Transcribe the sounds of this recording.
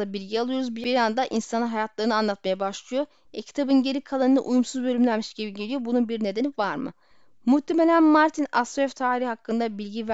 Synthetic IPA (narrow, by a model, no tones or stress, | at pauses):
abilʲɟialˠɯjo̞ɾuzbibiɾand̪aʔinsanaɦajat̪lˠaɾɯnɯanlˠat̪̚majabaʃlˠɯjo̞ | ɛcʰi̥t̪ʰabɯnɟe̞ɾikʰalˠanɯna̰ʔujumsuzbølʲymlʲæɾmiʃɟibiɟe̞lʲijo̞bununbiɾne̞d̪e̞nivaɾmɯ̰ | muht̪ʰːe̞me̞lʲænmaɾt̪ʰina̰st̪oɛft̪ʰaːɾihhakːɯnd̪abilʲɟiv